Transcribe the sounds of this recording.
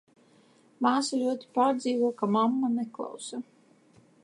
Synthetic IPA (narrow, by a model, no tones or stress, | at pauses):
maːsalʲuɔt̪i̥paːɾd̪ziːvɔkamamːaneklˠa̰wsa